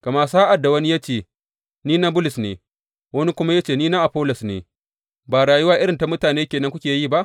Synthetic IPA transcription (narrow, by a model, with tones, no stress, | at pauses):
ka˨mɐ˦rsaː˦ʔa˨dːa˨wɐ˦ni˦ja˦t͡ʃeː˨ | niː˦na˦bʊ˦lɪ˨snḛː˨ | wɐ˦ni˦kʷʊ˦ma˦ja˦t͡ʃeː˦˨niː˦na˦ʔa˨ɸoː˦lɔ˨snḛː˨ | baː˨ɽaː˨jʊ˦waː˦ʔɪ˦ɽɪ˨nta˨mʊ˦taː˨neː˦kʲeː˨nɐ˦ŋkʷʊ˦kʲeː˨jiː˦˨ba˦ʔ